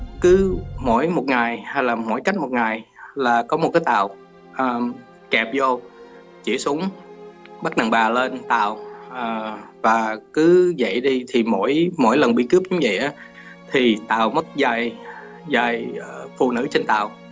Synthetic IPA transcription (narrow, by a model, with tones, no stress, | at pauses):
kɨ˨˦mo̰˧˥jmo˨˩t̚ŋa˨˩jha˧jlaː˨˩mo̰˧˥jka˦˥jk̟̚mo˨˩t̚ŋaː˨˩jlaː˨˩kɔ˨˦mo˨˩t̚kaː˨˦jt̪a̰ː˧˨w | ʔəː˨˩ | kɛ˨˩p̚zo˧ | t͡ɕḭ˧˩əsu˨˦əŋ͡m | ɓa˦˥k̚ɗa˨˩ŋɓaː˨˩le˧nt̪a̰ː˧˨wʔəː˨˩vaː˨˩kɨ˨˦zə̰˧˨jɗi˧t̪ʰi˨˩mo̰˧˥jmo̰˧˥jlə˨˩nɓḭ˧˨kɨ˦˥əp̚ʔʊ˨˦ŋ͡mvə̰˧˨jʔaː˨˦ | t̪ʰi˨˩t̪a̰ː˨˩wmə˦˥t̚zaː˧˩j | zaː˨˩jfṵ˧˨nɨ̰˧˥t͡ɕe˧nt̪a̰ː˧˨w